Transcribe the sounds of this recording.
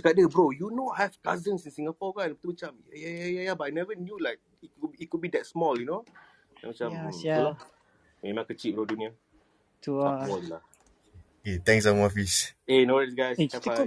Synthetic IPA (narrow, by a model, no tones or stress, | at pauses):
kadəbɾojunohɛvkazənsĩnsiŋafɔɡanpət̪umat͡ʃamajajajajabaanɛvənjulaɪk̚ikuitkud̚bidɛt̚smɔljuno | amat͡ʃam | mẽmãŋkət͡ʃiʔ̚bɹoduniə | taɔslah | ket̪ɛ̃ŋksamɔfisenoɛsɡajstafa